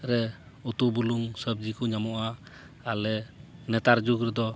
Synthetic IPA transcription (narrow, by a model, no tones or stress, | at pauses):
ɾɛ | ut̪ubuluŋsəb̚d͡ʒikuɲamɔʔa | alɛnɛt̪aɾd͡ʒukɾɛd̪ɔ